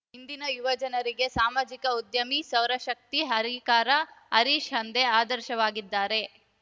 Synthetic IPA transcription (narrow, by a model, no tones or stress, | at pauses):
ind̪inɐjuʋɐd͡ʒɐnɐɾiɡe̞saːmaːd͡ʒikɐud̪jɐmisɐwɾɐʃɐk̚t̪iɦɐɾikaːɾɐɐɾiʃɐnd̪eaːd̪ɐɾʃɐʋaːɡid̪ːaːɾe̞